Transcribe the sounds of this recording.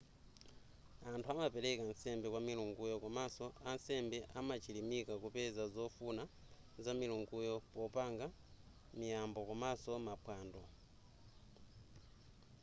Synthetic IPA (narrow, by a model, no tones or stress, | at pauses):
antʰuamapɛɾɛkansɛmbɛkwamiluŋɡujɔkamasɔansɛmbɛʔamat͡ʃilimikakupɛzazɔfuna | zamiluŋɡujɔpɔpaŋɡa | mijambɔkamasɔmapʰwaːndɔ